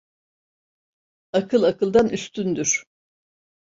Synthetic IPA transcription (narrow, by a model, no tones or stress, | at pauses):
akʰɯlˠakɯlˠd̪anyst̪ʰynd̪yɾ̥